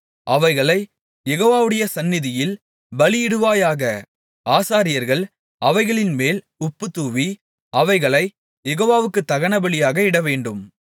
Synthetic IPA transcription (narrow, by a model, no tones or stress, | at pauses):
ʔɐʋɐɪɣɐɭɐɪ | jɛɣoːʋaːʋɯɽɐjɐsɐnːɪðɪjɪl | bɐlɪɪɽɯʋaːjaːɣɐ | aːsaːɾɪjɐɾɣɐɭ | ɐʋɐɪɣɐɭɪnmeːl | ʊpːɯt̪ːuːʋi | ɐʋɐɪɣɐɭɐɪ | jɛɣoːʋaːʋɯkːɯt̪ːɐɣɐɳɐbɐɭɪjaːɣɐɪɽɐʋeːɳɖɯm